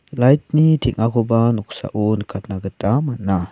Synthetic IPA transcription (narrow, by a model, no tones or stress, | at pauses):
lajt̚nitʰiŋʔakʰɔbanɔk̚sa̰ʔunkʰat̪̚nakətamanːa